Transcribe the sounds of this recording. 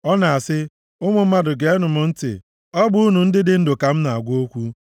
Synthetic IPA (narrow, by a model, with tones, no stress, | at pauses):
ɔ˦na˨a˨sɪ˦ | ʊ˦ŋʷʊ˨m̩˦ma˦dʊ˨ɡe˨e˦nʊ˨mʊ˨n̩˦tɪ̰˨ | ɔ˦ɡ͡bʊ˦u˦nu˨n̩˦dɪ˦dɪ˦n̩˦dʊ˨ka˨m̩˦na˨a˨ɡʷo˦kʷu˦